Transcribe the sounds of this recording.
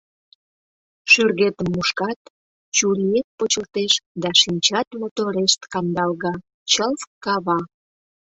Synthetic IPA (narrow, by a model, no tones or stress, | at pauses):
ʃyrɣet̪əmːuʃkɑt̪ | t͡ɕuliet̪̚pot͡ɕəlt̪eʃd̪ɑʃinʲt͡ɕɑt̪mot̪oɾeʃt̪kɑnd̪ɑlɣɑ | t͡ɕəlfkɑβɑ